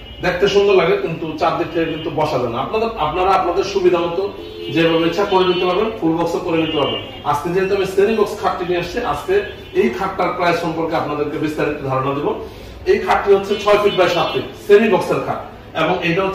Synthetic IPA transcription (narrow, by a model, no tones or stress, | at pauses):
d̪ek̚ʰt̪eʃoŋɡolaɡekint̪ut͡ɕaɾd̪ikʈiekint̪ubɔʃad͡ʑaenːaapnaapnaɾaapnad̪eɾʃubid̪ʱamɔt̪o | d͡ʑebʱabeiːt͡ɕʰakoɾed̪it̪epʰabenfʰulbɔksokoɾenit̪epʰabḛ | ask̪ed͡ʑeet̪oamisenibɔkskʰaʈːinieaʃt͡ɕʰiʔa̰ske | ejkʰakːaɾpɾaeʃɔmpoɾkeapnad̪eɾkebist̪aɾit̪od̪ʱaɾonad̪ibo | ejkʰaʈːiɦotːɕʰet͡ɕʰɔefʰiʈ̚bɾaeʃat̪ːisenibɔkseɾkʰa̰ʈ | eboŋejʈaɦo